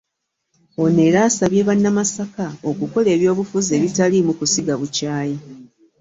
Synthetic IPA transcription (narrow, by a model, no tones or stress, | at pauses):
o̞ne̞ɾaːsaβje̞ːβanːamasakao̞kuko̞le̞ːβjo̞ːβufuze̞ːβitalimukusiɡaβucaːji